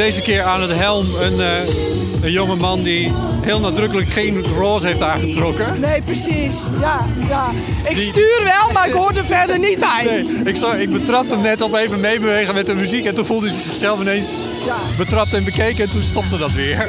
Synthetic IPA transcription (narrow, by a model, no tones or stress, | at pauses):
deːzəkɪəɹaːnətɦɛlˠmən | ənjoŋəmɑndi | ɦɪːlˠnadrøkələkχeːnroːzəheftaːχətrɔkənejprəsis | ja | ja | ɪkdsityːrʋɛlˠmaɪkhoːɹdəfɛɹdərnit̚bɛjneː | ɪksɪɡ̚bətrɑp̚təmnɛtɔpeːvəmejbəʋeːɣənmɛtəmyzikɛntunfulˠdəsəzɪxsɛlˠfəneːns | bətrɑp̚təɛnbəkejkɛntunstɔp̚tədɔtʋɪəɹ